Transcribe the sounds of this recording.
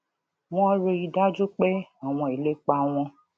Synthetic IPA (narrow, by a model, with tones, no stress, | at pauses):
w̃ɔ̃˦ɾe˧i˧da˦d͡ʒo˦k͡pe˦a˨w̃ɔ̃˧˨i˨le˦k͡pa˧w̃ɔ̃˧